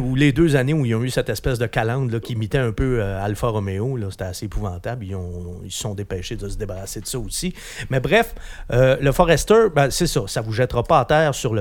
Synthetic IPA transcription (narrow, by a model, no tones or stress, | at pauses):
uled̪øzaneuilɔ̃ysɛt̪ɛspɛsd̪əkalɑ̃d̪lʌkʲimit̪ɛœ̃pøøalfaʁɔmeolɔse̥t̪ɛaseːpuvɑ̃ːt̪ablilɔ̃isə̥sɔ̃d̪epɛːʃed̪əsəd̪ebaʁased̪əsɔosi | mɛbʁɛføləfɔʁɛst̪œ˞bɛsesʌsavuʒɛt̪ʁapʌat̪ɛːʁsyʁlə